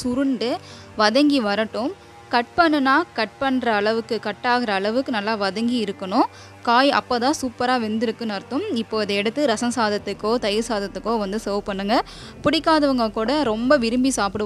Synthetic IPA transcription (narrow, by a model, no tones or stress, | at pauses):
sʊɾɯɳɖɯ | ʋɐðɐŋɡiʋɐɾɐʈːɯ̃m | kɐʈ̚pɐɳːɯnːaːkɐʈ̚pɐɳːɾɐːɭɐʋɯkːɯkɐʈːaːɣɪɾɐːɭɐʋɯkːɯnɐlːaːʋɐðɐŋɡiɪɾɯkːɐɳʊ̃ | kaːjɐ̰pːoːt̪ãːsuːpːɐɾaːʋɛnd̪ɪɾɯkːɯ̃nɐɾt̪ːʊ̃mɪpːoːɐðɐɛɽɐt̪ːɯɾɐsɐ̃saːðɐt̪ːɯkːoːt̪ɐjɪɾsaːðɐt̪ːɯkːoːʋɐnd̪ɯsɐʋpɐɳːɯŋɡɐ | pʊɽɪkːaːðɐʋɯŋɡɐkuːɽɐɾɔmbɐʋɪɾɯmbisaːpɪɽɯ